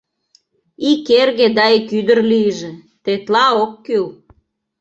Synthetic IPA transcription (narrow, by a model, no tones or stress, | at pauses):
ikerɣed̪ɑekyd̪ə̆rliəʒĕ | t̪et̪lɑokːyl